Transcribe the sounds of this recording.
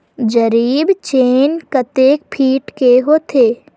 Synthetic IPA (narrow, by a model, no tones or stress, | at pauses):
d͡ʒəɾiːbt͡ʃeːnkət̪eːk̚pʰiːʈkeɦoːt̪ʰeː